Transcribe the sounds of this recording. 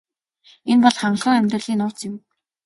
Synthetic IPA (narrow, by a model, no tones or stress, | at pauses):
enpɔɮχaɴɢɮʁə̆ːŋæmʲt̪rə̆ɮiːnʊːt͡sɪ̆m